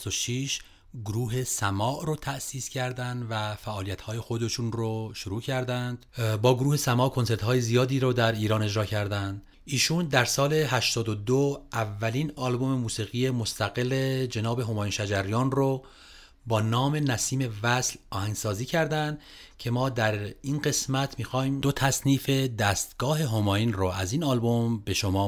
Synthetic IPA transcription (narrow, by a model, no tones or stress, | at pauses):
oʃiʃ | ɡoɾuːɦe̞sæmɒːʔɾot̪ʰæʔsiːscʰæɾd̪ænd̪væfæʔːlijæt̪hɒːje̞xo̞d̪e̞ʃunɾoʃoɾuːcʰæɾd̪ænd̪̥bɒːɡoɾuːhe̞sæmɒːʔkʰo̞nse̞ɾt̪hɒːjezijɒːd̪iːɾod̪æɾiːɾɒːne̞d͡ʒɾɒːcʰæɾd̪ænd̪̥ | iːʃuːnd̪æɾsɒːle̞ɦæʃt̪ɒːd̪od̪oævːæliːnɒːlbo̞me̞muːsiːɣiːje̞most̪ʰæɣe̞led͡ʒe̞nɒːbe̞ɦo̞mɒːjiːnʃæd͡ʒæɾijɒːnro | bɒːnɒːme̞næsiːme̞væslɒːhæŋɡsɒːziːcʰæɾd̪ænd̪ | cʰe̞mɒːd̪æɾinɢe̞smæt̪ʰmiːxɒːjmd̥̪ot̪ʰæsniːfe̞d̪æːst̪ɡ̥ɒːɦe̞ɦo̞mɒːinroæziːnɒːlbo̞mbe̞ʃomɒː